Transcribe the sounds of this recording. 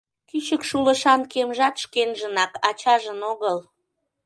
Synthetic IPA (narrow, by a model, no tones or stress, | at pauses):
kyt͡ɕəkʃuləʃɑnkemʒɑt̪ʃkenʒənɑkɑt͡ɕɑʒənoɣəl